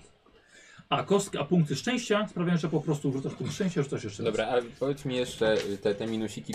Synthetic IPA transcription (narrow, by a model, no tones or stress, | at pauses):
akɔskʲiʔapuŋk̚t̪ɘʂt͡ʂɛ̃w̃ɕt͡ɕaspɾavʲaj̃ʐɛpɔpɾɔst̪uʐut̪aʂpuŋkt̪ʂt͡ʂɛ̃ɕt͡ɕaʐut̪saʃ̬jɛʂɛd̪ɔbɾaapɔvʲjet̪smʲijɛʂt͡ʂɛt̪ɛt̪ɛmʲinuɕikʲi